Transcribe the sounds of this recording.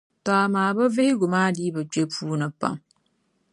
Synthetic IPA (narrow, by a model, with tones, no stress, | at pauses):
taː˨maː˨bɐ˦ve˦hɪ˦ɡʊ˨maː˦diː˦ba˨t͡ʃe˦pʰuː˦nɨ˨pa̰˨m